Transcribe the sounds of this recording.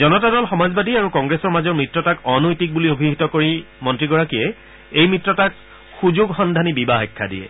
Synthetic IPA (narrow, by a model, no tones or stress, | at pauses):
zɔnɔtadɔlxɔmazbadiaɹukɔŋɡɹesɔɹmazɔɹmɹitɹɔtakɔnojtik̚buliobʱiɦitɔkoɹi | mɔntɹiɡɔɹakijɛ | ejmɹitɹɔtak | xuzuɡxɔndʱanibibaɦɔkʰːa̰diɛ̰